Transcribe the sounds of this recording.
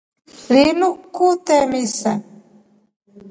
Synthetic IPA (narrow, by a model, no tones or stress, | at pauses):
ɾinukut̪ɛmisa